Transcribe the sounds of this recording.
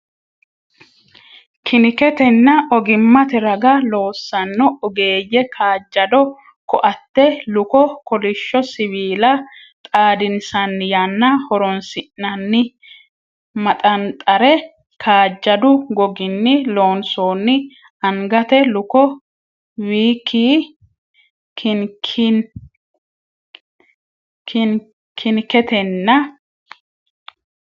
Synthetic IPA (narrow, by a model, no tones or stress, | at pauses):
kʰɪnɪkɛt̪ɛnːɐʔɔɡɪmːɐt̪ɛɾɐɡɐlo̞ːsːɐnːɔʔɔɡeːjɛkʰaːd͡ʒːɐd̪ɔ | kɔʔɐt̪ːɛlʊkɔkɔlɪʃːɔsɪβiːlɐ | t̪ʼaːd̪ɪnsɐnːɪjanːɐhɔɾɔnsɪʔːɐnːɪ | mɐt̪ʼɐnt̪ʼɐɾɛ | kʰaːd͡ʒːɐd̪ʊɡɔɡɪnːɪlo̞ːnsoːnːɪ | ɐŋɡɐt̪ɛlʊkɔ | wiːkʰːiː | kʰɪ | kʰɪnkɛt̪ɛnːɐ